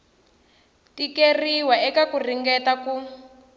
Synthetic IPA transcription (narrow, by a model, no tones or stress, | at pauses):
tikeriwaɛkakuriŋɡɛtaku